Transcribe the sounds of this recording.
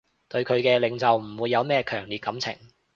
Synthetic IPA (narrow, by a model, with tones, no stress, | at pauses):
t̪ɵ˧ɥkʰɵ˨˧ɥkɛː˧lɪ˨˧ŋt͡sɐ˨wm̩˨˩wuː˨˧jːɐ˨˧wmɛː˥kʰœː˨˩ŋliː˨t̚kɐ˨˥mt͡sʰɪ̰˨˩ŋ